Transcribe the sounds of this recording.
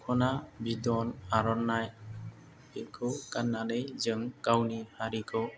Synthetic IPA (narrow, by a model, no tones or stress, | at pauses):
kʰɔnabidɔnaɾɔnːaj | ekʰɯkanːalɯjzɯŋkawnihaɾikʰɔ